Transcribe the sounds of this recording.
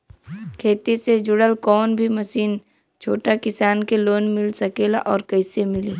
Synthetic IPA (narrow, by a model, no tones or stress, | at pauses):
kʰeːt̪ised͡ʒʊɽəlkɔːnbʱimɐsiːn | t͡ʃʰoːʈakɪsaːnkeloːnmɪlsɐkeːla̰ʔɔːɾkəɪsemɪliː